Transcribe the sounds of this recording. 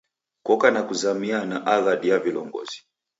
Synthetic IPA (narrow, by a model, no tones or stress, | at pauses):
kɔkanakuzamianaʔaɣaɗiavilɔŋɡɔ̰zi̥